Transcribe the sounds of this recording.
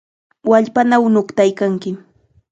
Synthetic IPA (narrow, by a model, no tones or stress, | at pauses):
waʎpanawnokt̪ajkaŋkɪ